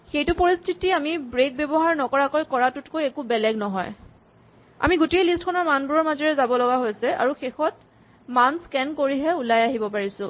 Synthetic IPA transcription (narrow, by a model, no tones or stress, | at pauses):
xejtʊpoɹistʰitiamibɹek̚bɛbɔɦaɹnɔkɔɹakojkɔɹatʊtkojɛkubɛlɛɡnɔɦɔ̰j | a̰miɡutejlistkʰɔnɔɹmanbuɹɔɹmazɔɹɛzabɔlɔɡaɦojsɛa̰ɹuxexɔt | manskɛnkoɹiɦɛulajaɦibɔpaɹisʊ̃